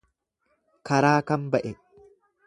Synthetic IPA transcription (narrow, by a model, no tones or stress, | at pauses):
kɐɾaːkɐmbɐʔɛ